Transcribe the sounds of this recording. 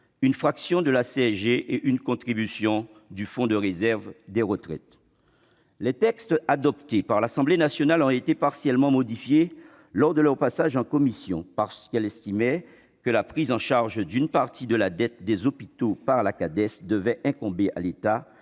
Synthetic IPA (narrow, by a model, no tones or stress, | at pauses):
ynfχaksjɔ̃d̪əlaseɛʒeʔeʔynkɔ̃t̪χibysjɔ̃ | d̪yfɔ̃d̪əʁezɛʁvd̪ɛʁət̪χɛ̰t̪ | lɛt̪ɛkst̪ad̪ɔpt̪epaʁlasɑ̃blenasjɔnalɔ̃t̪et̪epaʁsjɛlmɑ̃mɔd̪ifje | lɔʁd̪əlœʁpasaʒɑ̃kɔmisjɔ̰̃paʁsə̥kɛlɛst̪imɛ | kəlapχizɑ̃ʃaʁʒd̪ynpaʁt̪ʰid̪əlad̪ɛt̪̚d̪ɛzɔpit̪opaʁlakad̪ɛsd̪əvɛʔɛ̃kɔ̃beʔa̰let̪a